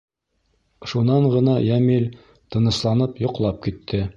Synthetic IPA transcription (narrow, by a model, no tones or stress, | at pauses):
ʃunɑɴʁɤ̆nɑjæmilʲ | t̪ɤ̆nɤ̆slˠɑnɤpjŏqlˠɑp̚kit̪ʰːɘ